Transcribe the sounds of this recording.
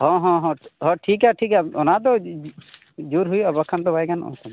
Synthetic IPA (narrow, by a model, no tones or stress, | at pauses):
hɔ̃ɦɔ̃ɦɔ̃ɦɔ̃ʈʰikaʈʰikaɔnad̪ɔ | d͡ʒuɾɦujɔbəkʰːant̪ɔbajkanɔ̰̃kʰan